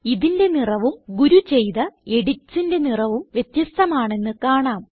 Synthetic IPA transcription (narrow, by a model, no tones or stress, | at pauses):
iðinde̞nirɐʋumɡuɾut͡ɕe̞jðɐe̞ɽit͡ɕːinde̞nirɐʋumʋje̞t̪jɐst̪ɐmaːɳe̞nːɨkaːɳaːm